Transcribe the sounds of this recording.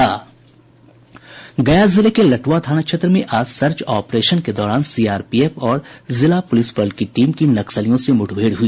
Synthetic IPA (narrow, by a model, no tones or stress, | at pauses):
aː | ɡɐjazɪlekelɐʈwat̪ʰaːñakʃʰet̪ɾəmẽʔaːsɐɾt͡ʃaːpɾeːʃənked̪ɔːɾaːnsiːaːɾpiːeːpɔːɾzɪlapʊlɪsbəɾlkiʈiːmkinɐksəlijõsemʊʈʰbʱeːɽɦʊiː